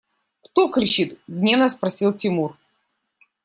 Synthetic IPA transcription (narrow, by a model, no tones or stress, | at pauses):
kt̪okɾʲɪt͡ɕit̪ɡnʲevnɐspɾɐsʲilˠtʲɪmur